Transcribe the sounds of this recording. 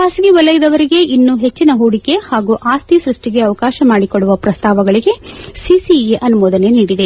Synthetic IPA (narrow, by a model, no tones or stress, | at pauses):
aːsɡiʋɐlɐjid̪ɐʋɐɾiɡe̞ʔinːuɦe̞t͡ʃːinɐɦuːɽike̞haːɡuːʔaːst̪isɾuʂʈiɡe̞ɐʋɐkaːʃɐmaːɽikoɭːuʋɐpɾɐst̪ʰaːʋɐɡɐɭiɡe̞sisiiʔɐnumɔːd̪ɐne̞niːɽid̪e̞